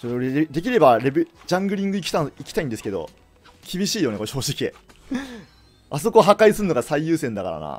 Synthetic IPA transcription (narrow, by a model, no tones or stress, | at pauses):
soɾeoɾeed̪e̞kʲiɾe̞baɾebd͡ʑãŋɡɯ̟ɾʲĩŋɡɯikʲi̥t̪aikʲi̥t̪aĩnd̪esɨ̥ke̞d̪o̞̰ | kʲibʲiɕiːjo̞nekoɕo̞ːɕikʲiḛ | aso̞ko̞ɦakaisɨɾɯnoɡasaijɯːsẽ̞nd̪aka̰ɾa̰na̰